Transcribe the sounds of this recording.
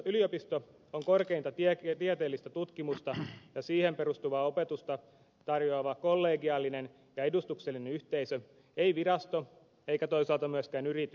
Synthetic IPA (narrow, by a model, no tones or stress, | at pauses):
yliopist̪o | oŋkorkeint̪ɑt̪t̪iet̪eːlːist̪æt̪ut̪kimust̪ɑjɑsiːhemperust̪uʋɑːo̞pet̪ust̪ɑ | t̪ɑrjoːʋɑkolːeːɡiɑlːinen | jɑedust̪ukselːinenyht̪eisø | eiʋirɑst̪o | e̞ikæt̪o̞isɑːˑlt̪ɑmyæskæːnyrit̪y